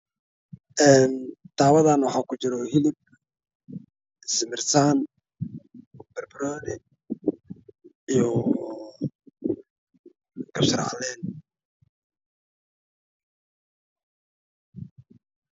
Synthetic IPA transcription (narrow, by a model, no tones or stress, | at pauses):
ʔɛːnt̪ʰaːwɐðaːnwɑħaːkʰʊt͡ʃɪɾɔhɪlɪb̚ | smɪrt̪ʰaːn | b̥ɐrbɪɾɔːnɛ | ijɔ | kʰɐbsɐ̰ɾʕɑ̰lɛːn